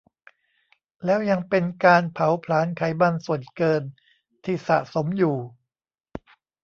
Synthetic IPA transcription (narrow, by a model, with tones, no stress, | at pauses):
lɛː˦˥wja˧ŋpe˧nkaː˧npʰa˩˦wpʰlaː˩˦˥nkʰa˩˦jba˧nsu˨˩ənkɤː˧n | t̪ʰiː˧˩sa̰˨˩ʔso˩˦mjuː˨˩